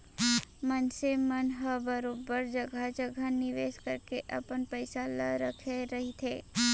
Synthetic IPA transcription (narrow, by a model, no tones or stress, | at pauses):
mənsemənɦəbəɾoːbəɾd͡ʒəɡʱad͡ʒəɡʱanɪʋeːskəɾkeʔɐ̰pənpəɪsaləɾəkʰeɾɐɦit̪ʰeː